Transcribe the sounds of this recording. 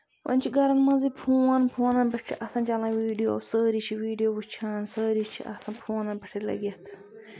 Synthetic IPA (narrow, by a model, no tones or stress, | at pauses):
ʋɐ̰nʲt͡ʃʰiɡɐɾɐnmɐ̃zipʰuːɐnpʰuːnɐnbɐʈ̚ʰt͡ʃʰiʔɐsɐ̃nt͡ʃɐlãːʋiːɖijo̰ːsəːɾit͡ʃʰiʋiːɖijoːbut͡ʃʰaːnsəːɾit͡ʃʰḭʔɐ̰sɐ̃npʰuːnɐnbɐʈʰilɐ̰ɡʲjɐt̪ʰ